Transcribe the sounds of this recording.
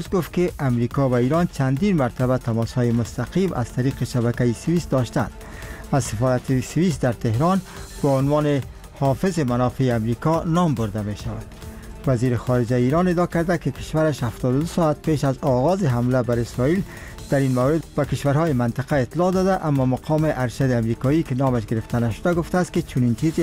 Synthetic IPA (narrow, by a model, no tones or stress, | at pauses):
uzɡʊft̪̚keʔamɾikɔwaiɾɒnt͡ʃʰand̪inmaɾt̪abat̪amɔshɔjemʊst̪aqimʔa̰z̥t̪aɾiqeʃaβakaisɪwist̪d̪ɒʃt̪a̰nd̪azsɪfɔɾat̪esɪwis̬t̪̚d̪aɾt̪eɦɾɑnb̥ɔʊnwɑne | hɒfɪzɪmanɒfeːamɾikɔnɒmbʊɾd̪ameʃawad̪̥ | waziɾɪxɔɾɪd͡ʒaiɾɒned̪ɒkaɾd̪akɪkɪ̥ʃwaɾaʃhaft̪ɔd̪ʊd̪ʊsɒat̪̚peʃazɒɣɒzɪɦamlabaɾɪsɾɔil | d̪̥aɾinmawɾɪd̪b̥akɪʃwaɾɦɔjɪmant̪ɪqaɪt̪lɒd̪ɒd̪aʔamːɒmaqʰɒmɪʔaɾʃad̪ɪamɾikɔikɪnɒmaʃɡɪɾɪft̪anaʃʊd̪aɡʊft̪aːst̪kɪt͡ʃʰʊnint͡ʃize